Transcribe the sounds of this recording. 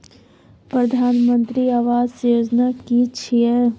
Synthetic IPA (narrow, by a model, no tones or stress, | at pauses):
pɾəd̪ʱaːnmə̃nt̪ɾiaʋaːzjoːd͡ʒnakit͡ʃʰiɛ